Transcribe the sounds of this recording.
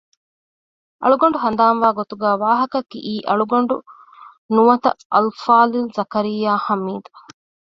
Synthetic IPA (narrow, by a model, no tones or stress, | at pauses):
ʔɐ̰ɭuɡɐɳ̆ɖuɦɐnd̪aːnʋaːɡot̪uɡæːʋaːɦɐkɐkːḭʔiːʔɐɭuɡɐɳɖu | nuʋɐt̪ɐ̰ʔɐlfaːlilzɐkɐɾijːaːhɐmːiːd̪ɐ